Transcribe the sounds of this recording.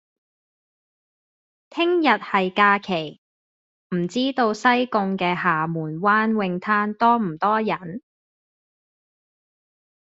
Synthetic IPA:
t̪ʰɪ˥ŋjɐ˨t̚hɐ˨jkaː˧kʰe˨˩j | m̩˨˩t͡siː˥t̪o˧wsɐ˥jkʊ˧ŋkɛː˧ɦaː˨˩muː˨˩nwaː˥nwɪ˧ŋt̪ʰaː˥nt̪ɔː˥m̩˨˩t̪ɔː˥jɐ˨˩n

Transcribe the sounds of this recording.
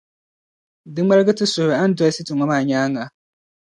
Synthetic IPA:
di˦a˦ɾɡɨ˦tɪ˦sʊ˨bɛ˨a˦n˦dʊ˦ɛ˦si˦tʊ˨ŋʷa˨˦maː˨ɲaː˦ŋa˨

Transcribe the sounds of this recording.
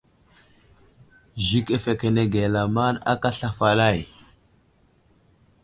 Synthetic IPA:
ʒi˦ke˦fe˨ke˨ne˦ɡe˨la˨ma˦na̰˦ka˦ɬa˨fa˨la˦˨j

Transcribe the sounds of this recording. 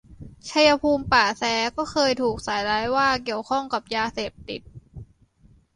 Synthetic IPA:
t͡ɕʰa˧ja˧pʰuː˧mpaː˨˩sɛː˨˦˥kɔː˥˩xʰɤː˧jt̪ʰuː˨˩k̚saː˩˦jɾaː˦˥jwaː˥˩ki˨˩əwkʰɔ˥˩ŋka˨˩p̚jaː˧seː˨˩p̚t̪i˨˩t̪̚

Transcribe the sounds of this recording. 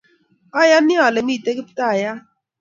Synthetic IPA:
ɔ˦ja˦nɪ˦ɔ˨lɪ˨mi˦˨te˦kɪ˦pɪ̥˦ta˦a˨ja˦

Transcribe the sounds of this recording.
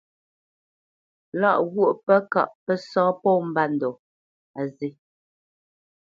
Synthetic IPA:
la˦˨ʔɣu˦˨ʔpɛ˦ka̰˦˨ʔpɛ˦sɔ̃ː˦pɔ˦˨m̩˦ba˦n̩˨dɔ˨ | a˨zi˦

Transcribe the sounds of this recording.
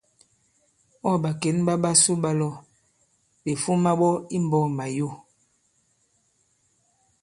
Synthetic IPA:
ɔ˦˨ɓa˨ke˨˦nɓa˦ɓa˦su˦ɓa˦lɔ˦˨ | be˨fu˦ma˦ɓɔ˦i˦m˨bɔ˦˨ma˨jo˦˨

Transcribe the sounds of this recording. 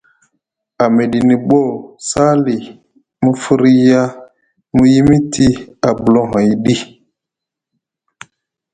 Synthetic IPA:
a˨me˨di˨ni˨ɓɔ˦˨sa˦li˨ | mu˦fu˦ɾi˦ja˦ | mu˦ji˦mi˦tʰi˦a˨bu˨lɔ˦ɦã˨i˨ɗi˦

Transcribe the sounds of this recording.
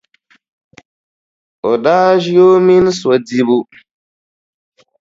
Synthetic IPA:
ɔ˨daː˦ʒi˦jo˦mi˦n˦swa˨di˦bu˦

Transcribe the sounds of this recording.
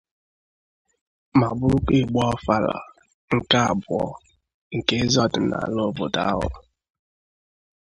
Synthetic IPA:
ma˨bʊ˦u˦k͡pe˦˨ɡ͡bɔ˦ɔ˦fa˦la̰˨ | ŋ̩˨ka˦a̰˨bʊ˨ɔ̰˦ | ŋ̩˨ke˦zɔ˦dʊ˨na̰˨lo˦bo˨ta˦ɦɔ̰˨

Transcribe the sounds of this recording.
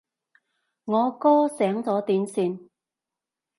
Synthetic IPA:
ŋɔː˨˧kɔː˥sɛː˨˥ŋt͡sɔː˨˥t̪iː˨˥nsiː˧n

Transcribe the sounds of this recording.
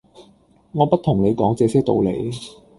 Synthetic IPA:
ŋɔː˨˧pɐ˥t̚t̪ʰʊ˨˩ŋle˨˧jkɔː˨˥ŋt͡sɛː˧sɛː˥kt̪o̰˧wlḛ˨˧j

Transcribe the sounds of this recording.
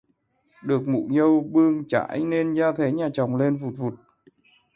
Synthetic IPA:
ɗɨ˨˩ək̚mṵ˧˨ɲə˧wɓɨ˧əŋt͡ɕa̰ː˧˥˨jne˧nzaː˧t̪ʰe˨˦ɲaː˨˩t͡ɕɔ˨˩wŋ͡mle˧nvu˨˩t̚vu˨˩t̚

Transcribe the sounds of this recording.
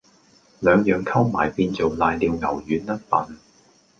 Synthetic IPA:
lœː˨˧ŋjœː˨˩ŋkʰɐ˥wma̰ː˨jpiː˧nt͡so˨wlaː˧jliː˧wŋɐ˨˩wjyː˨˥nːɐ˥t̚pɐ˨n

